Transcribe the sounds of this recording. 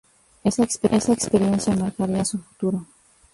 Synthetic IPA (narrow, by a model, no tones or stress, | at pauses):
esakspeʔesaekspeɾjensjamaɾkaɾiasufut̪uɾo